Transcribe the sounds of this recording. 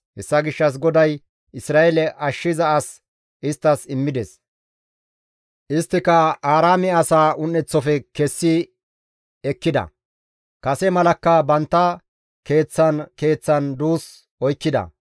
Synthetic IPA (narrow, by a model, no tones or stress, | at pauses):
hɛsːɐɡɪʃːɐs̬ɡɔd̪ɐj | ɪsɾaːɛlɛʔɐʃːɪzɐɐs | ʔɪst̪ːɐsɪmːɪd̪ɛs | ʔɪst̪ːɪkɐaːɾaːmɪɐsaːʊnːɛt͡sːɔfɛkɛsːɪ | ɛkːɪd̪ɐ̰ | kɐsɛmɐlɐkːɐbɐnt̪ːɐ | ke̞ːt͡sːɐnke̞ːt͡sːɐnd̪uːs | ɔjkːɪd̪ɐ̰